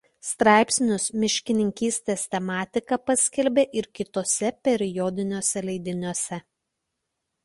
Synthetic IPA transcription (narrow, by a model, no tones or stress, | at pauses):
st̪ɾɑˑɪpʲsʲnʲʊsmʲɪʃʲkʲɪnʲɪŋʲkʲiːsʲt̪ʲeːst̪ʲɛmɑːt̪ʲɪkɐpɐsʲkʲɛlʲbʲeːʔɪɾkʲɪt̪oːsʲɛpʲɛɾʲɪjɔd̪ʲɪnʲoːsʲɛlʲɛɪd̪ʲɪnʲuɔsʲɛ